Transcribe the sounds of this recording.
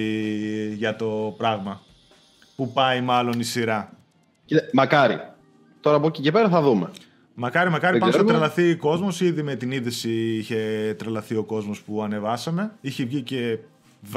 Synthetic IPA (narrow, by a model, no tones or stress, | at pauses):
ʝɐt̪o̞pɾɐɣmɐ | pupɐimɐlo̞nisiɾɐ | mɐkɐɾḭ | t̪o̞ɾɐːpocicepeɾɐθɐðumḛ | mɐkɐɾimɐkɐɾipɐnossɐt̪ɾɐlɐθiko̞zmo̞siðime̞t̪iniðisiiçe̞t̪ɾɐlɐθio̞ko̞zmo̞spuɐne̞vɐsɐme̞içevʝice̞ | v